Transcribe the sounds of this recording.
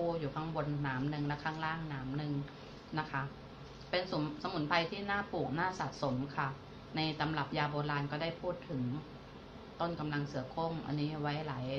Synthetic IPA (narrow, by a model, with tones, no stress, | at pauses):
uː˥˩juː˨˩k̪ʰa˦˥ŋbo˧nːaː˩˦mnɯ˧ŋlɛ˦˥kʰaː˥˩ŋɾaː˥˩ŋnaː˩˦mnɯ˧ŋ | na˦˥kʰa˦˥ | pe˧nsu˨˩˦sa˧mu˩˦npʰa˧jt̪ʰiː˥˩naː˥˩puː˨˩k̚naː˥˩sa˨˩t̪̚so˩˦mkʰa˥˩ | na˧jsa˨˧˦mla˨˩p̚jaː˧boː˧laː˧nkɔː˥˩da˥˩jpʰuː˥˩t̪ʰːɯ˩˦ŋ | t̪o˥˩nka˧mla˧ŋsɯ˨˩˦ɐkʰo˥˩ŋʔa̰˧nːiː˦˥wa˦˥jlaː˩˦j